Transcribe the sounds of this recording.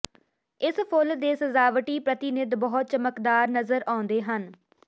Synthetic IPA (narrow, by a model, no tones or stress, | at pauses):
ɪspʰʊld̪eːsəzaːʋʈiːpɾət̪ɪnɪd̪bɔɦt̪̚t͡ʃəməkd̪aːɾnəzəɾãːʊ̃nd̪eːɦən